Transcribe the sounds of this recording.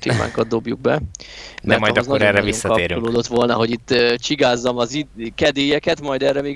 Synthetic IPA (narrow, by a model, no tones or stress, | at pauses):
t̪ḛːma̰ːŋkɒd̪̚d̪o̞bjuɡ̚bɛmɛmɒjd̪ɒznɒoɾɛrːɛvisŋːɒɒpeːɾyoloːd̪o̞t̪ʋo̞lnɒɦo̞ɟit̪ːøt͡ʃiɡaːzːɒmɒzikɛd̪eːjɛkɛt̪mɒjd̪ɛːrːɛmeː